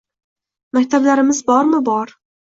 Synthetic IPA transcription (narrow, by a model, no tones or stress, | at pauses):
makʲt̪ʰablaɾɪmɪzbɒɾmɪbɒɾ